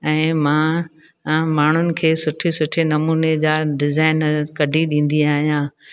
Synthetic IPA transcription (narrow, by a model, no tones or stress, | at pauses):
ɛ̃ːmãː | maːɳ̤ʊnɪ̆kʰeːsʊʈʰesʊʈʰenɐmuːned͡ʑaːɖɪzaːɪnkɐɖʱiɗĩːn̆d̪iaːɦijãː